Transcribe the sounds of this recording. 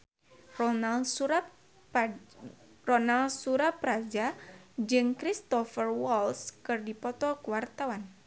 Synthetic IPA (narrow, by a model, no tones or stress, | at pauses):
a | rɔnalsuɾapɾad͡ʒad͡ʒɨŋkɾist̪ɔfərwɔlskɨrdipɔt̪ɔkuwart̪awan